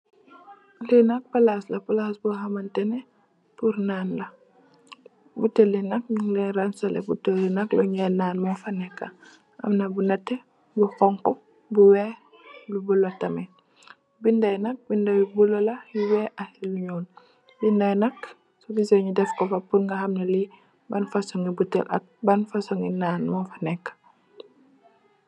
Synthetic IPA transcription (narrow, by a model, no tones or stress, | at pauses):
linak̚palaslɐpalasbuɦamantɛnɛ | puɾnaːnlɐ | butelinɐk̚ɲuŋlɛɾansalḛbutolinɐkluɲɛnaːnmofanɛka | ɐ̰mnɐbunɐtːɛ | buxɔŋkɔ | buwɛ | lubulotɐmɛ | bindɐjnɐk̚bindawibulɔlɐjuwɛʔahiluɲɔːn | bindɐjnɐk | sɔbisɔɲudɛfkɔfɐpuŋɡɐhɐmnɐli | banfasɔŋibutːɛ̰lʔɐ̰k̚banfasɔŋinaːnmɔfanɛkːḁ